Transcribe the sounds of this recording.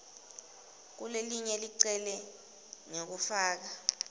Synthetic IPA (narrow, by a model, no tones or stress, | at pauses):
k̬uleliɲɛliǀɛlɛ | ŋok̬ufaːk̬a